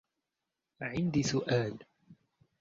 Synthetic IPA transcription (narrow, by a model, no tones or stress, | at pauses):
ʕɪnd̪iːsʊʔaːl